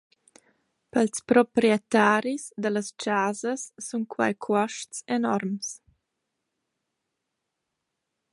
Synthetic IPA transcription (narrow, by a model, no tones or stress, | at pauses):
pəlspɾɔpɾiɛt̪aːɾisd̪ələst͡ʃaːzəsːunkʰwa̰jkʰwɔʃtsenɔɾms